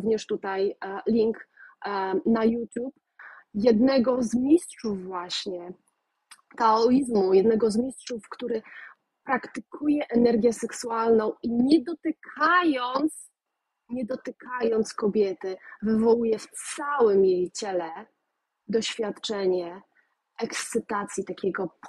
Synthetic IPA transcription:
uvɲɛʂt̪ut̪ajlʲiŋk | najut̪ʲjup | jɛd̪nɛɡɔzmʲistʂuvːwaɕɲɛ | t̪aɔizmujɛd̪nɛɡɔzmʲistʂufkt̪uɾɘ | pɾakt̪ɘkʰujɛʔɛnɛɾɡʲjɛsɛksualnɔ̃w̃iɲɛd̪ɔt̪ɘkʰajɔnt̪s | ɲɛd̪ɔt̪ɘkʰajɔnt̪skɔbʲjɛt̪ɘvɘvɔwujɛft̪sawɘmjejt͡ɕɛlɛ | d̪ɔɕfʲjat̪t͡ʂɛɲɛ | ʔɛkst̪sɘt̪at̪sʲjit̪akʲɛɡɔp

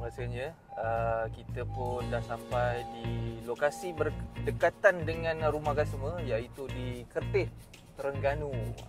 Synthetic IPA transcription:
əɾaselɲə | əkit̪əpʊndahsampajdilokasibərdəkat̪andəŋãnɾumahɡasəmə̃jait̪udikərt̪ɪh | t̪əɾəŋɡanũ

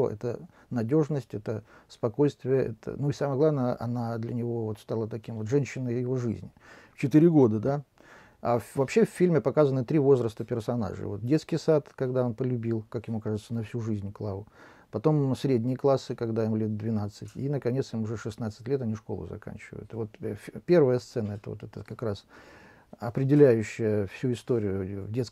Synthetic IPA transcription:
ʔɛ̰t̪ə | nɐdʲo̞ʐnəsʲtʲɛt̪əspɐko̞jst̪vʲɪjəʔɛt̪ə̰nuisaməjəɡlˠavnəjəʔɐ̰nad̪lʲənʲɪvo̞vo̞t̪st̪alˠət̪ɐkʲimvo̞t̪ʐɛnʲɕːɪnəjjɪvo̞ʐɨzʲnʲɪ | ft͡ɕɪt̪ɨɾʲɪɡo̞d̪əd̪a | avɐpɕːefʲːilʲmʲɪpɐkazənɨt̪ɾʲivo̞zɾəst̪əpʲɪrsɐna̰ʐɨ̰vo̞t̪̚dʲe̞t̪skʲɪjsat̪kɐɡd̪ao̞npəlʲʉbʲilˠkakjɪmukaʐɨt̪sənɐfsʲuʐɨzʲnʲklˠavʊ | pɐt̪o̞msʲɾʲedʲnʲɪjəklˠasːɨkɐɡd̪ajɪmlʲet̪̚d̪vʲɪnat̪sɨtʲinəkɐnʲetsjɪmʊʐɛʂɨsnat̪sɨ̥tʲlʲe̞t̪ɐnʲiʂko̞lˠʊ̰zɐ̰ka̰nʲt͡ɕɪvə̰jʊ̰t̪ɨvo̞t̪fpʲe̞rvəjəst̪sɛnəɛt̪əvot̪ɛt̪əkɐkɾas | ɐpɾʲɪdʲɪlʲæjʉɕːɪjəfsʲuɪst̪oɾʲɪjʊvdʲet̪sk

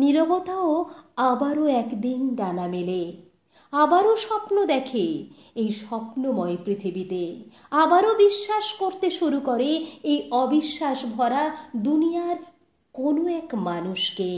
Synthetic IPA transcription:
niɾobot̪aoabaɾoɛkd̪inɖanamele | abaɾoʃɔpnod̪ɛkʰe | ejʃɔpnomɔepɾit̪ʰibit̪e | abaɾobiʃːaʃkoɾt̪eʃuɾukoɾeejɔbiʃːaʃbʱɔɾad̪unijaɾ | konoɛkmanuʃke

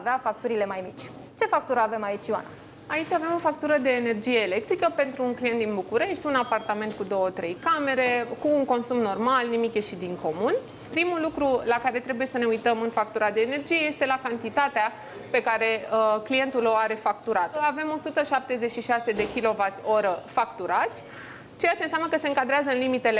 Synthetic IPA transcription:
veafak̚t̪uɾile̞majmit͡ʃʲ | t͡ʃe̞fak̚t̪uɾəave̞mait͡ʃʲjua̰na̰ | ait͡ʃʲave̞mo̞fak̚t̪uɾəd̪e̞ːne̞rd͡ʒije̞ːle̞k̚t̪ɾikəpe̞nt̪ɾuːŋklijent̪̚d̪inbukuɾe̞ʃt̪ʲunapart̪ame̞nt̪̚kud̪o̞wət̪ɾe̞jkame̞ɾe̞kuːŋko̞nsumno̞rmalnimikʲjeʃid̪iŋko̞mun | pɾimulukɾulakaɾe̞t̪ɾe̞buje̞səne̞ujt̪əmɨnfak̚t̪uɾad̪e̞ːne̞rd͡ʒije̞je̞st̪e̞lakant̪it̪at̪ea | pe̞kaɾe̞klije̞nt̪ulo̞aɾe̞fakt̪uɾat̪əave̞mo̞sut̪əʃap̚t̪e̞zet͡ʃʃiʃase̞d̪e̞kʲilo̞vat̪sʲo̞ɾəfakt̪uɾat̪sʲ | t͡ʃe̞jat͡ʃe̞ɨnsʲjamnəkəse̞ɨŋkad̪ɾeazəɨnlimit̪e̞le

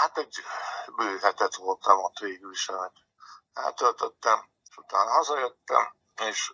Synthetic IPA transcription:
hat̪ɛɟbøːɦɛt̪ɛt̪ʋo̞lt̪ɒmot̪ʋeːɡyːʃɛmɛt̪ | ɛ̰lt̪ølt̪øt̪ːɛm | eʃut̪aːnɒɦɒzɒjøt̪ːɛ̰m | eːʃ

